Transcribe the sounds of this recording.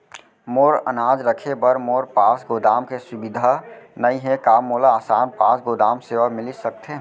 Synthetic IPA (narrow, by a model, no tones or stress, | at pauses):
moːɾə̰naːd͡ʒɾəkʰebəɾmoːɾpaːsɡoːd̪aːmkesʊbɪd̪ʱanəiɦɛkaːmːoːlaːsaːnpaːsɡoːd̪aːmseʋamɪlisək̚t̪ʰe